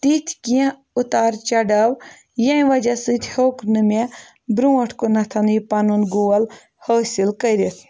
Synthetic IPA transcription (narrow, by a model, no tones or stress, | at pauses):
t̪it̪ʰkiã | ut̪aːɾt͡ʃɐɖɐw | jɐ̃ĩʋɐd͡ʒɐsɨt̪ʰʲhoːknɨme | bɾuːɐʈʰkonɐt̪ʰɐnjipɐnunɡoːɐl | həːsilkɐɾit̪ʰ